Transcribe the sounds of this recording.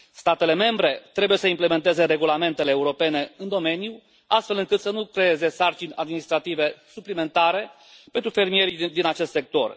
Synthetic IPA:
st̪at̪e̞le̞me̞mbɾe̞t̪ɾe̞buje̞səimple̞me̞nt̪e̞ze̞ɾe̞ɡulame̞nt̪e̞le̞ːuɾo̞pe̞ne̞ɨnd̪o̞me̞nju | ast̪fe̞lɨŋkɨt̪sənukɾe̞e̞ze̞sart͡ʃinʲa̰d̪minist̪ɾat̪ive̞suplime̞nt̪aɾe̞ | pent̪ɾufe̞rmije̞ɾid̪inat͡ʃe̞st̪se̞k̚t̪o̞̰r

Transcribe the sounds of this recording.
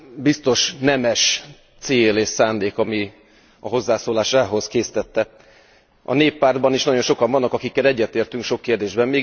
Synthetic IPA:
bist̪o̞ʃnɛmɛʃ | t̪seːleːʃsaːnd̪eːkɒmi | ɒɦo̞zːaːsoːlaːʃaːɦo̞skeːsi̥t̪ɛt̪ːɛ | ʔɒ̰neːpːaːrd̪bɒniʃnɒɟo̞nʃokɒɱvɒnːɒkɒkikːɛlɛɟːɛt̪eːrt̪yŋkʃo̞kːeːrd̪eːʒbɛmmeː

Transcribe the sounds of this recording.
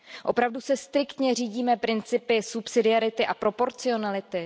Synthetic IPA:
ʔo̞pɾavdusɛst̪ɾɪkt̪ɲɛriːɟiːmɛpɾɪnt͡sɪpɪsupsɪdɪaɾɪt̪ɪʔapɾo̞po̞ɾt͡sɪo̞nalɪt̪ɪ

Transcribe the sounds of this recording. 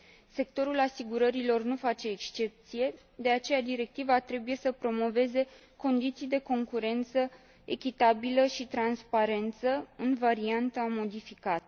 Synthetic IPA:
se̞k̚t̪o̞ɾulasiɡuɾəɾilo̞rnufat͡ʃe̞ːkst͡ʃe̞p̚t̪sije̞ | d̪e̞at͡ʃe̞jad̪iɾe̞k̚t̪ivat̪ɾe̞buje̞səpɾo̞mo̞ve̞ze̞ | ko̞nd̪it̪sijd̪e̞ko̞ŋkuɾe̞nt̪sə | e̞̰kʲit̪abiləʃit̪ɾanspaɾe̞nt̪səɨnvaɾiant̪amo̞d̪ifikat̪ə

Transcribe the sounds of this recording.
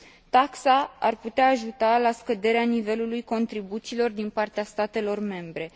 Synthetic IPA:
t̪aksaa̰rput̪eaːʒut̪alaskəd̪e̞ɾeanive̞lulujko̞nt̪ɾibut̪silo̞rd̪inpart̪east̪at̪e̞lo̞rme̞mbɾe̞

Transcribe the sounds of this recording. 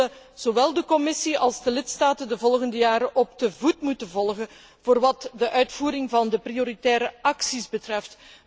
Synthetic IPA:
ə | z̥oʋɛlˠdəkɔmɪsiɑlˠzdəlɪtstaːtəndəvɔlˠɣəndəjaːɾəʔɔbdəvutmutənvɔlˠɣən | voːrʋɑtdəʔœɥtfuːɾɪŋvɑndəprioɾitɛːɾəʔɑksizbətrɛft

